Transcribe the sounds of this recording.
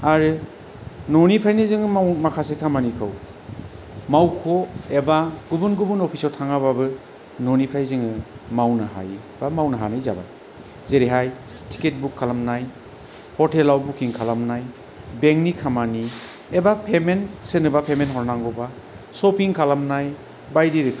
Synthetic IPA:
aɾɯ | nɔnipʰajnizɯŋɯamakʰasekʰamanikʰɯw | mawkʰɔebaɡubunɡubunɔpʰisɔɾtʰaŋaβabɯ | nɔnipʰajzɯŋɯmawnaɦa̰j | bamawnaɦanɯjza̰ba̰ | zeɾiɦaj | tʰi̥ket̚bukʰːalamnaj | hɔɾtʰelawbukʰiŋkʰalamnaj | beŋnikʰamani | ebapʰemensenɯbapʰemenɦɔɾnaŋɡɔba | sɔpiŋkʰalamnaj | bajdiɾikʰ

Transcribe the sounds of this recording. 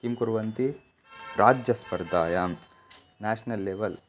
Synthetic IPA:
kimkuɾʋɐnt̪i | ɾaːd͡ʒjɐspɐɾd̪aːjaːm | næːʂnɐlːeːʋɐl

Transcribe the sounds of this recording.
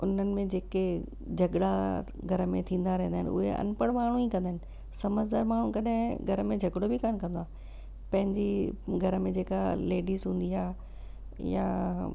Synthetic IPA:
ʊn̤ənɪ̆mẽd͡ʑeːke | d͡ʑʱɐɡɽa | ɡʱɐɾəmẽt̪ʰĩːnd̪aɾɐɦĩnd̪aːɦɪnʊ̰ɦḛʔɐ̰npəɽ̃maːɳ̤uiːkɐ̃nd̪aɦɪnɪ̆ | sɐməd͡ʑd̪aːɾmaːɳ̤ũkɐɗɦɪ̃ɡʱɐɾəmẽd͡ʑʱɐɡɽobʱikaːñkɐ̃nd̪oaː | pɐ̃ɦɪ̃ɲd͡ʑiɡʱɐɾəmẽd͡ʑeːkaleːɖiːzɦũːn̆d̪iaː | ja̰

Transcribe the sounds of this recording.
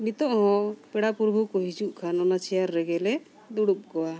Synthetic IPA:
mit̪ɔʔɦɔ̃pɛɽapuɾbʱukɔɦid͡ʒuʔkʰanɔnat͡ʃʰɛjaɾːɛɡɛlɛ | d̪uɽup̚ɡɔwa

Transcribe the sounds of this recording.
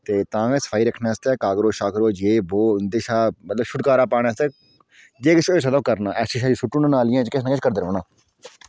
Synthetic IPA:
t̪eːt̪ãːɛːsə̥pʰaːiːɾəkʰneːəst̪eːkaːɡɾoːʃaːkɾoːd͡ʒeːboːnd̪eːʃaːmət̪ləbʃʰʊʈkaːɾaːpaːɽaːst̪eː | d͡ʒeːkət͡ʃʰosəd̪ãːkəɾnaːʔɛʃiʃaːd͡ʒsʊʈːuːnãːnaːlɪjãːt͡ʃkɪsnãːkɪt͡ʃʰkəɾd̪eɾo̰ːnaː

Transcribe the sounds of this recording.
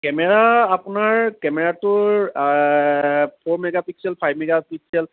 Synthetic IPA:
kɛmɛɹaːpʊnaɹkɛmɛɹatʊɹ | pʰoɹmɛɡapiksɛlpʰajbmɛɡapik̚sɛl

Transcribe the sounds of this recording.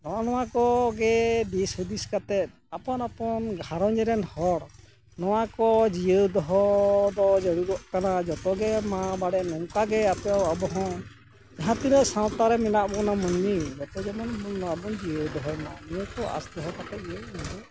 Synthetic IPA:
nɔwanɔwakɔɡɛd̪ishud̪iskat̪ɛt̪̚ | apɔnapɔnɡʱaɾɔɲd͡ʒɛɾɛnhɔɽ | nɔwakɔd͡ʒijəd̪ɔɦɔd̪ɔd͡ʒɛɽuɾɔʔkanad͡ʒɔt̪ɔɡɛmabaɽɛʔnɔŋkaɡɛap̪ɛawabɔɦɔ̃ | ɛɦãt̪ilɛʔsãw̃t̪aɾɛmɛnaʔbɔnamənːid͡ʒɔt̪ɔd͡ʒɛmɔnmɔnːɔabɔnd͡ʒijəd̪ɔɦɔnanijəkɔʔa̰sd̪ɔɦɔkat̪ɛʔiənɛbɛ

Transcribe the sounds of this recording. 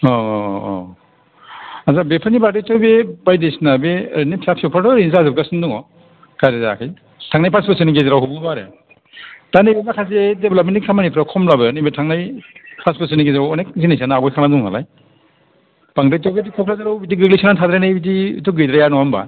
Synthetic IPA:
ɔ̰ | azabepʰɯnibadejtɔjbebajdesnabeɾnipʰapʰsiɔpʰatɔɾins̬azɯb̚ɡasɯnduŋɔ | kʰadezaakʰɯj | tʰaŋnajpʰaspɯsɯniɡezeɾawɦumɯbaɾḛ | tanibenakʰazedeblap̚mentikʰamanipʰɯɾawkʰɔmlabɯnibetʰaŋnajpʰaspɯs̬ɯniɡezɾawɔnek̚zinasanaːbɔjkʰanaduŋha̰la̰j | paŋdajtɔwɡetikʰɔkʰlazaɾawbit̬iɡɯɡlisʰanantʰad̪ɾajnajbit̬iṵtʰɔɡɯjdɾajanɔɦamba̰

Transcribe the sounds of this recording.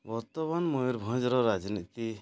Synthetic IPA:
bɔɾt̪ɔmanmɔiɾbʱɔ̃d͡ʒɾɔɾad͡ʒnit̪i

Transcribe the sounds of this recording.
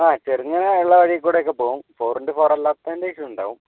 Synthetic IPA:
aːt͡ɕeriŋːɐnɐiɭːɐʋɐɻijɐkʲːuːɽejokːepːoːʋumfoːrinɖɨfoːrɐlːaːt̪ːɐindeiʂɐmuɳɖa̰ːʋum

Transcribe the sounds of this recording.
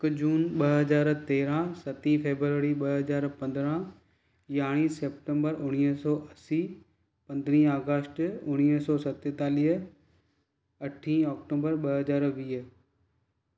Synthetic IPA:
kd͡ʑuːnɓɐɦɦɐzaːɾt̪eːɾãsɐt̪ĩfʰeːbɾəʋəːɾiɓɐɦɐzaːɾpɐ̃nd̪ɾã | jaːɽ̃iːseːp̚ʈẽmbəɾʊɽ̃isɔːʔɐsiː | pɐ̃nd̪ɾĩaːɡəsʈʊɽ̃isɔːsɐt̪et̪aːliɦ | ɐʈʰĩːɔːkʈõːbəɾɓɐɦɐzaːɾʋiːɦ

